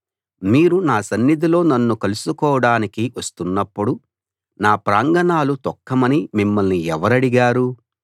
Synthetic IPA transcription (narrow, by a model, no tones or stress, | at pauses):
miːɾunaːsɐnːid̪ilo̞ːnɐnːukɐlusukɔːʋɐɽaːnikiʋɐst̪unːɐpːuɽu | naːpɾaːŋɡɐnaːlut̪ɔkːɐmɐnimimːɐlniɛʋɐɾɐɽiɡaːɾu